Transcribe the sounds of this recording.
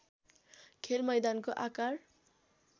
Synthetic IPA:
kʰelmʌjd̪ankoʔakar

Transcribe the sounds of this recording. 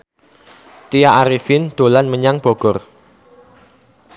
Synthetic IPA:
t̪ijaaɾifɪnd̪̥o̤lanməɲaŋb̥ɔ̤ɡ̥ɔr

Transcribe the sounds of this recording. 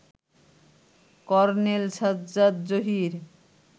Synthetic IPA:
kɔɾnelsad̪zad̪d͡ʑoɦiɾ

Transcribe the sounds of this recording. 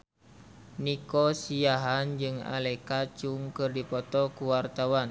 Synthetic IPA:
nikɔsiaɦand͡ʒɨŋa̰lɛkat͡ʃuŋkɨrdipɔt̪ɔkuwart̪awan

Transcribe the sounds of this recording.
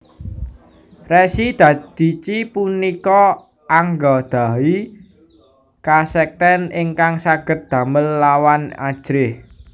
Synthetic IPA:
rɛsid̪̥ä̤d̪̥i̤t͡ʃipunikɔ | aŋɡɔd̪̥a̤wi | kasɛk̚t̪ɛnɪŋkaŋsaɡ̥ə̤t̪̚d̪̥ä̤məlːawana̰̥ʒ̥ɾɪh

